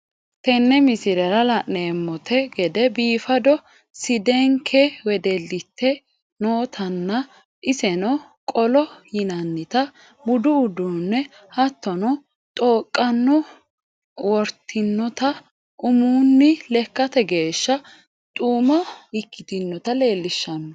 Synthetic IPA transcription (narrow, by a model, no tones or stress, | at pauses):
t̪ɛnːɛmɪsɪɾɛɾɐlɐnneːmːɔt̪ɛɡɛd̪ɛbiːfɐd̪ɔ | sɪd̪ɛŋkʰɛwɛd̪ɛlːɪt̪ʰːɛ | noːt̪ʰɐnːɐ | ʔɪsɛnɔ | kʼɔlɔjɪnɐnːɪt̪ɐ | bʊd̪ʊːd̪unːɛ | hɐt̪ːɔnɔ | t̪ʼoːkʼːɐnːɔ | wɔɾt̪ʰːɪnːɔt̪ɐ | ʔʊmuːnːɪlɛkːɐt̪ɛɡe̞ːʃːɐ | t̪ʼuːmɔɪkːɪt̪ɪnːɔt̪ɐle̞ːlːɪʃːɐnːɔ